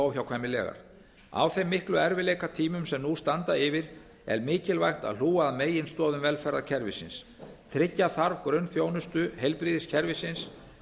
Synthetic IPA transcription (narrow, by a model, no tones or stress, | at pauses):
awçawkʰaːjmɪlɛ̰ːɣa̰ɾ̥ | a̰wθejmːɪhklʏɛɾvɪleːjkat̪ʰiːmʏmsɛmnust̪ant̪aɪvɪɾ | ɛ̰ɾmɪːcɪlvajxt̪a̰ðluːaðmeːjɪnst̪ɔːðʏmvɛlfɛɾaðcʰɛɾvɪ̰sɪ̰ns | t̪ʰɾɪcːaθaɾvkɾœɥnfjoːwnʏst̪ʏhejlpɾiːðɪscʰɛɾvɪsɪns